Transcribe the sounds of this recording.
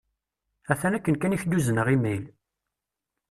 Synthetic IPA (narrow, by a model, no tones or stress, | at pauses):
æθænækːənkæniçd̪uzənəʁimijl